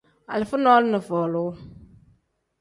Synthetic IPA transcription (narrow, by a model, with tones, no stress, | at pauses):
a̰˨lɪ˨fʊ˦nɔː˦lɪ˦nə˨fɔː˨lʊ˨˦